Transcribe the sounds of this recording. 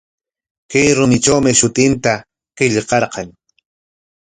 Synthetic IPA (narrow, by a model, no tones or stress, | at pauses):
kajɾʊmɪʈ͡ʂawmɪʃʊt̪ɪnt̪a | qɪʎqɑɾqɑŋ